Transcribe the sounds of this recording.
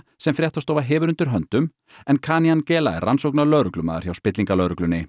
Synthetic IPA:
sɛmfɾjɛht̪ast̪oːwvaɦɛːvʏɾʏnt̪ʏɾ̥ɦœnt̪ʏm | ɛnkʰaːnijancɛːlaɛransowknalœɥɾʏklʏma̰ːða̰ɾ̥çjawspɪt̪liŋkalœːɾʏklʏnːɪ

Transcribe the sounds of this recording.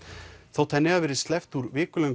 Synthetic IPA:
θawt̪ʰɛnːɪɣaðvɛːɾɪ̥st̪lɛft̪uɾvɪːkʏlœŋ

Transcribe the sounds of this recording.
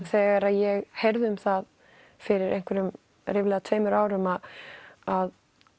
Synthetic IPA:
θɛːɣaɾaðjɛɣheɾðʏmθað | fɪɾɪɾḛjŋ̥kʰvɛɾʏm | rɪːvlɛɣat̪ʰœːmʏɾaːwɾʏmaðað

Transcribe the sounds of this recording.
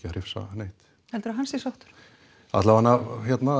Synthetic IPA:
caɾɪfsa̰nejht̪ | hɛlt̪ʏɾaɦansɛsaht̪ʏ̥ɾ̥ | a̰t̪lavanːahjɛt̪na

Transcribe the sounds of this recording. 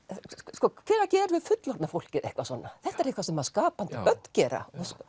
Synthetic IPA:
skɔːkʰvɛːɾacɛːɾʏvɪðfʏt̪lɔɾt̪afowl̥cɪðehkvasɔːnːaθɛht̪ːɛɾehkvasɛmaðskaːpant̪ɪœt̪̚n̥cɛːɾa̰ɔs

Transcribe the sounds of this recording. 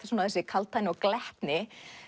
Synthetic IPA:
ḁsunaθɛsɪkʰalt̪ʰːajnɪɔɣklɛht̪nɪ

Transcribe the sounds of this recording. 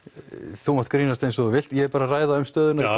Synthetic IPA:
θumaht̪̚kɾiːnast̪ejnsɔðʏvɪl̥t̪jɛɛɾpaːɾaraːjðaʏmst̪œːðʏna

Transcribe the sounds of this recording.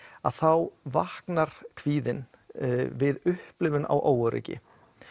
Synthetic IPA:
aðθawvahknaɾ̥kʰv̥iːðɪn | vɪðʏhplɪvʏna̰wʔaːwaɾḭːcɪ̰

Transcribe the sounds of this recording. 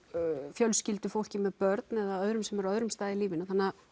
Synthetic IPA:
fjœlscɪlt̪ʏfowl̥cɪmɛðpœɾt̪nɛðaœðɾʏmsɛmɛɾœðɾʏmst̪aːðɪliːvɪnaθanːa

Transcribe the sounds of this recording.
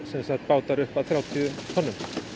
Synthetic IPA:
sɛmsaht̪paːwt̪aɾʏhpaðθɾjaːwt̪ʰiːðʏmkhɔnːʏm

